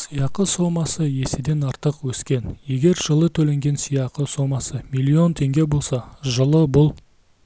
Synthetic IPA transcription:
sijɑqəsomɑsəje̞sɪd̪e̞nɑɾt̪əqwɵskʲe̞nje̞ɡʲe̞ɾʒəlˠət̪ʰɵle̞ŋɡʲe̞nsijɑqəso̞mɑsəmilʲːio̞nt̪ʰe̞ŋɡʲe̞bo̞lˠsɑʒəlˠəbʊlˠ

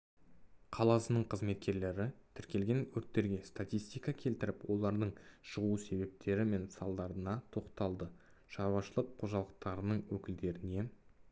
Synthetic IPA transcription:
qʰɑlˠɑsənəɴqʰəzme̞t̪̚kʲe̞ɾle̞ɾɪt̪ʰɪɾkʲe̞lɡʲe̞nʰɵɾt̪ːe̞ɾɡʲe̞st̪at̪ijst̪ijkɑkʲʰe̞lt̪ɪɾɪpwo̞lˠɑɾd̪əɴʃəʁuse̞βe̞p̚t̪ʰe̞ɾɪme̞nsɑlˠd̪ɑɾənɑt̪ʰo̞qt̪ɑlˠd̪ə | ʃɑɾuwɑʃəlˠəqʰːo̞ʒɑlˠəq̚t̪ɑɾənəɴwɵkʲɪld̪e̞ɾɪne̞

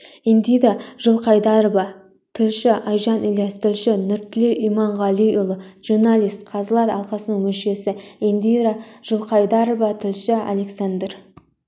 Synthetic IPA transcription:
end̪ijd̪ɑʒəlˠqʰɑjd̪ɑɾbɑ | t̪ʰɪlʃɪʔɑjʒɑnʔilest̪ʰɪlʃɪnʏɾt̪ʰːɪleʔijmɑɴʁɑliʊlˠʒ̥urnalʲijst̪qʰɑzəlˠɑt̪ɑlˠqɑsənəŋmɵnʃe̞sɪend̪ijd̪ɑʒ̥əlˠqɑjd̪ɑɾovɑt̪ʰɪlʃɪa̰le̞ksand̪r

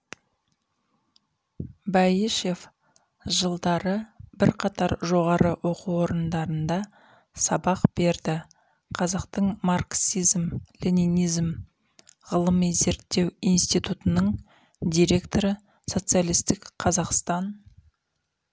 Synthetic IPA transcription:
bɑjiʃe̞f | ʒəlˠd̪ɑɾəbɪɾqʰɑt̪ɑɾʒo̞ʁɑɾəwʔo̞quo̞ɾənd̪ɑɾənd̪ɑ | sɑbɑqb̥e̞ɾd̪ɪ | qʰɑzɑqt̪əɴmarksizmlʲininijzm | ʁəlˠəmize̞ɾt̪ːe̞wijnst̪it̪ut̪ənəɴ | d̪ijɾe̞kt̪o̞ɾə | so̞t̪sɨjalˠijst̪ɪkqʰɑzɑqst̪ɑn

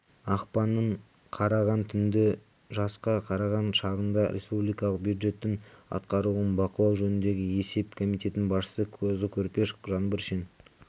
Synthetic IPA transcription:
ɑqpɑnːəɴ | qʰɑɾɑʁɑnt̪ʰʏnd̪ɪ | ʒɑsqɑqʰɑɾɑʁɑnʃɑʁənd̪ɑɾʔe̞spublijkɑlˠəq̚bjud̪ʒe̞t̪ːɪŋɑ̰t̪qɑɾuənbɑqəlˠɑwʒɵnɪnd̪e̞ɡʲɪe̞se̞pkʰo̞mijt̪e̞t̪nɪnbɑsʃə̥səkʲʰɵzɪkʲʰɵɾpe̞ʃkʒɑnbəɾʃin

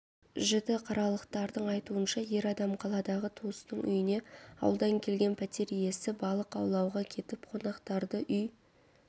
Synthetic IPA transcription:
ʒɪd̪ɪqʰɑɾɑlˠəqt̪ɑɾd̪əɴɑjt̪uənʃɑje̞ɾɑd̪ɑmqʰɑlˠɑd̪ɑʁət̪ʰust̪əɴʔʏ̰jɪne̞ɑ̰wəlˠd̪ɑŋkʲʰe̞lɡʲe̞npʰæt̪ʲe̞ɾije̞sɪbɑlˠəqɑ̰wlˠɑwʁɑkʲʰe̞t̪ɪpqʰo̞nɑqt̪ɑɾd̪əʔʏj

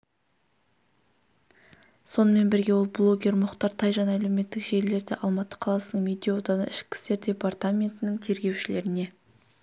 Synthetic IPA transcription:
so̞nəme̞nbɪɾɡʲe̞wo̞lˠblˠo̞ɡʲe̞ɾmʊqt̪ɑɾt̪ʰɑjʒɑnæle̞me̞t̪ːɪkʒe̞ɾle̞ɾd̪eʔɑlˠmɑt̪ːə̥qʰɑlˠɑsənəɴmʲed̪ʲijod̪ɑnə̰ɪʃkʲɪ̥st̪e̞ɾd̪ʲe̞part̪amʲe̞nt̪ɪnɪŋt̪ʰe̞ɾɡʲe̞wʃɪle̞ɾɪne̞

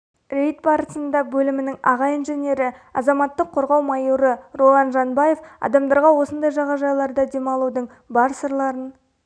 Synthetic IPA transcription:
rʲejt̪̚bɑɾəsənd̪ɑbɵlɪmɪnɪŋɑʁɑinʒe̞nʲe̞ɾɪɑ̰zɑmɑt̪ːəqʰːo̞ɾʁɑwmɑjuɾəro̞lˠɑnʒɑnbɑje̞fɑ̰d̪ɑmd̪ɑɾʁɑwo̞sənd̪ɑjʒɑʁɑʒɑjlˠɑɾd̪ɑd̪e̞mɑlˠud̪əɴ | bɑɾsəɾlˠɑɾən

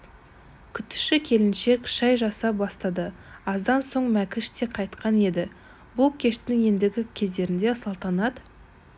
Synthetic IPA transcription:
kʲʰʏt̪ːɪ̥ʃɪkʲʰe̞lɪnʃe̞kʃɑjʒɑsɑp̚bɑst̪ɑd̪əɑzd̪ɑnso̞ɴmækʲɪʃt̪e̞qʰɑjt̪qʰɑne̞d̪ɪ | bʊlˠkʲʰe̞ʃt̪ɪɪŋje̞nd̪ɪɡʲɪkʲʰe̞zd̪e̞ɾɪnd̪e̞sɑlˠt̪ɑnɑd̪

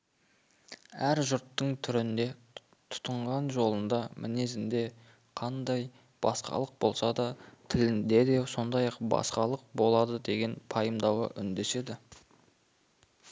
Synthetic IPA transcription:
æɾʒʊɾt̪ːəɴt̪ʰʏɾɪnd̪e̞ | t̪ʰʊ̥t̪əɴʁɑnʒo̞lˠənd̪ɑmʔɪ̰ne̞zɪnd̪e̞ | qʰɑnd̪ɑj | b̥ɑ̰sqɑ̰lˠəq̚bo̞lˠsɑd̪ɑt̪ʰɪlɪnd̪e̞d̪e̞so̞nd̪ɑjɑqbɑ̰sqɑlˠəq̚bo̞lˠɑd̪əd̪e̞ɡʲe̞npʰɑjəmd̪ɑwə̰ʔʏnd̪e̞se̞d̪ɪ

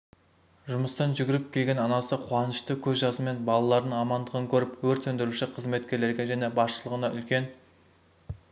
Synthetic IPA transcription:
ʒʊməst̪ɑnʒʏɡʲɪɾɪp̚kʲʰeɡʲe̞nɑnɑsəqʰʊɑnəʃt̪əkʲʰɵzʒɑsəme̞nbɑlˠɑlˠɑɾd̪əɴɑmɑnd̪əʁəŋkʲʰɵɾɪpwɵɾt̪sɵnd̪ɪɾuʃɪqʰəzme̞t̪̚kʲe̞ɾle̞ɾɡʲe̞ʒæne̞bɑsʃəlˠəʁənɑʔʏlkʲe̞n

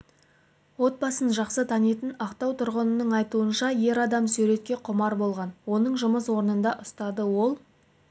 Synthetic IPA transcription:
wo̞t̪̚bɑsənʒɑqsət̪ʰɑnet̪ənɑqt̪ɑwt̪ʰʊɾʁənənəɴɑjt̪uənʃɑje̞ɾɑd̪ɑmsʉɾe̞t̪̚kʲe̞qʰʊmɑɾbo̞lˠʁɑnwo̞nəɴʒʊməswo̞ɾənənd̪ɑʔʊst̪ɑd̪əwo̞lˠ

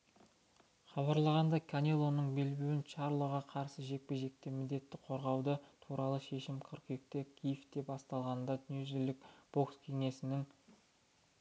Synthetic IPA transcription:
χɑβɑɾlˠɑʁɑnd̪ɑkʰanʲelˠo̞nəɴbelbewɪnʃɑɾlˠoʁɑqʰɑɾsəʒe̞k̚pe̞ʒe̞k̚t̪emɪd̪e̞t̪ːɪqʰo̞ɾʁɑwd̪ət̪ʰuɾɑlˠəʃe̞ʃɪmkʲʰəɾqek̚t̪e̞kʲʰijfd̪e̞pɑst̪ɑlˠʁɑnnd̪ɑd̪nuzɪlɪkb̥o̞kskʲʰe̞ŋe̞sɪnɪŋ

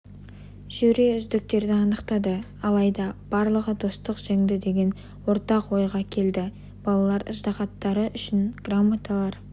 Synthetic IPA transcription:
ʒ̥ʏɾe̞ʏzd̪ɪk̚t̪e̞ɾd̪ɪɑnəqt̪ɑd̪ə | ɑlˠɑjd̪ɑb̥ɑɾlˠəʁəd̪o̞st̪əqʒ̥eŋd̪ɪd̪e̞ɡʲe̞n | wo̞ɾt̪ɑqwo̞jʁɑkʲʰe̞ld̪ɪ | b̥ɑlˠɑlˠɑɾɪ̰ʒd̪ɑqɑt̪ːɑɾəʔʏʃɪnɡ̥ramːat̪alˠɑɾ

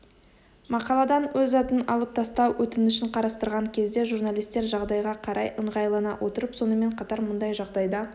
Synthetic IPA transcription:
mɑqɑlˠɑd̪ɑnwɵzɑt̪ənɑ̰lˠəp̚t̪ʰɑst̪ɑwwɵt̪ɪnʏʃɪɴqʰɑɾɑst̪əɾʁɑŋkʲʰe̞zd̪e̞ʒuɾnalijst̪e̞ɾʒɑʁd̪ɑjʁɑqʰɑɾʔɑjʔəɴʁɑjlˠɑnɑ̰wʔo̞t̪əɾəpso̞nəme̞ɴqʰɑt̪ɑɾmʊnd̪ɑjʒɑʁd̪ɑjd̪ɑ

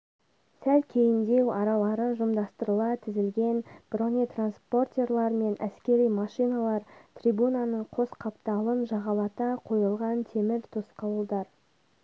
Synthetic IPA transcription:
sælkʲʰe̞jɪnd̪e̞wɑɾɑlˠɑɾəʒʊmd̪ɑst̪əɾəlˠɑt̪ʰɪzɪlɡʲe̞nb̥ronijt̪ranspo̞rt̪ʲe̞rlˠɑɾme̞nʔæ̰skʲe̞ɾijmɑʃijnɑlˠɑɾt̪ʰrʲijbunɑnəɴqʰo̞sqʰɑpt̪ɑlˠənʒɑʁɑlˠɑt̪ɑqʰo̞jəlˠʁɑnt̪ʰe̞mɪɾt̪ʰʊsqɑwəlˠd̪ɑɾ

